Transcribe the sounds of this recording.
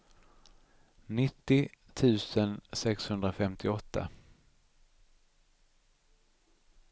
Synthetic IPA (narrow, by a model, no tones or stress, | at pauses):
nɪt̪ːɪt̪ʰʉ̟ːsənsɛkshɵnd̪ɾafɛmt̪ʰɪɔt̪ːa̰